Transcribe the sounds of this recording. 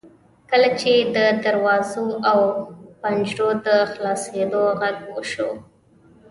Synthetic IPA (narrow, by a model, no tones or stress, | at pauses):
kəlat͡ʃed̪əd̪aɾwɑzoawpand͡ʒɾod̪əxlɑsed̪oɣaɡwəʃo